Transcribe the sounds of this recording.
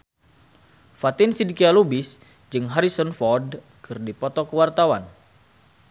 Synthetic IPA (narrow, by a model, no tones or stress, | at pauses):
fat̪insidikialubis | d͡ʒɨŋɦaɾisɔnfɔrd | kɨrdipɔt̪ɔkəwart̪awan